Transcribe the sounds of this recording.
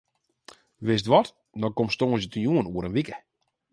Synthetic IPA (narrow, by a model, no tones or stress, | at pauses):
ʋɪstʋɔt | dɔkomstoːənsjətənjuənuəɾənʋikə